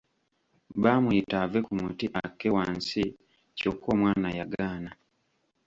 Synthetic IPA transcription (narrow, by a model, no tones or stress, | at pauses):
baːmujitavekumutiʔakːewaːnsi | cokoːmwaːnajaɡaːna